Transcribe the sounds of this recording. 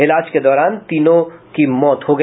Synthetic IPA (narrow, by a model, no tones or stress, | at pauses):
ɪlaːd͡ʒked̪ɔːɾaːnt̪iːnõkimɔːt̪ɦoɡɐ